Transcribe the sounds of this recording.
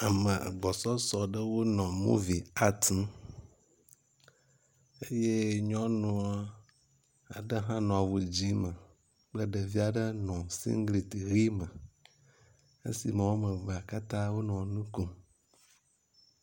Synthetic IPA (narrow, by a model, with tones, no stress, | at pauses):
a˨mə˨a̰˨ɡ͡bɔ˨sɔ˦sɔ˨ɖə˦wo˦nɔ̃˨mṵ̃˦vi˨a˦t̪ | e˦je˦ɲɔ̃˦nũ˨a˦ | a̰˨ɖə˦ɦã˦nɔ̃˨a˨wu˨d͡ʑi˦mə˨ | k͡plə˦ɖə˨vi˦a˨ɖə˦nɔ̃˨sḭ˦ŋ˦ɡli˨t̪i˨ɣi˦mə˨ | ḛ˦sḭ˨mə̃˨wo˦mə˨və˨a˨ka˦t̪ã˦wo˦nɔ̃˨nũ˦ku˨m